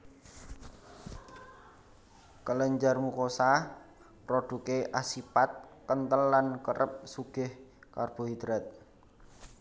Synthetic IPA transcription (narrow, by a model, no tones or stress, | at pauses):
kələɲd͡ʒarmukosa | pɾoɖ̥ukeʔasipat̪̚kənt̪əlːankəɾʔəp̚suɡ̥ɪhkarb̥o̤ɦid̪̥ɾɛt̪̚